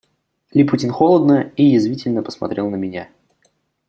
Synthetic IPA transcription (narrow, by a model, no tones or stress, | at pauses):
lʲiputʲɪnxolˠəd̪nəijɪzvʲitʲɪlʲnəpə̥smɐ̰t̪ɾʲelˠnəmʲɪnʲa